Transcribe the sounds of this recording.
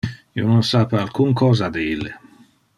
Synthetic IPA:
iononsapalkuŋkʰɔːzad̪eilːe

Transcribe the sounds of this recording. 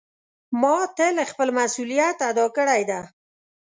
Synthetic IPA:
mɑt̪əlexpəlmasulijat̪ad̪ɑkəɽajd̪a

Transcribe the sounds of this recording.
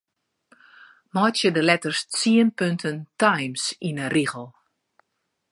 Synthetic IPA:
mɔjtjədəlɛtərst͡siənpøntʰəntajmsinəriɣəlˠ

